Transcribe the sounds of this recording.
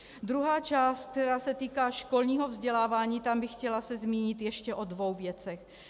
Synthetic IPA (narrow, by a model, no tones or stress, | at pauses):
d̪ɾuɦaːt͡ʃaːst̪̚k̚t̪ɛɾaːsɛt̪iːkaːʃko̞lɲiːɦovzɟɛlaːvaːɲiːt̪ambɪxcɛlasɛzmiːɲɪt̪jɛʃcɛʔo̞dvo̞wvjɛt͡sɛx